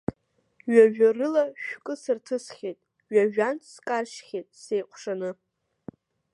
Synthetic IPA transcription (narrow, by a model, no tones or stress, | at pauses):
ɥaʒᶣarɨlaʃᶣkʼɨsɨrtʰɨsχʲejtʼ | ɥaʒᶣant͡sʰskʼarʃχʲejtʼse̞jqʷʰʂanɨ